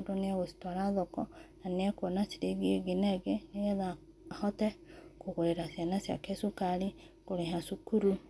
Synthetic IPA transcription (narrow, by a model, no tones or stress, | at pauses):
odoneɛɣosi̥twaɾaðɔkɔnaneɛkɔnasiɾeɣieɡenɛɡeneɣɛða | hɔtɛkoɣoɾeɾasianasia̰kesukaɾi | koɾeɦasukuɾu